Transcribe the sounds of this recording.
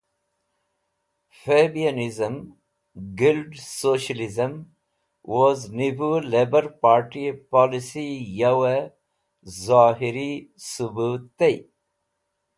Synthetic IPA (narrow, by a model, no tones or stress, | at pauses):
febianizəm | ɡilɖsoːʃəlizəm | wɔznibuleːbəɾpaːɾʈipɔlisijawe | zaːɦiɾisubuːt̪ːe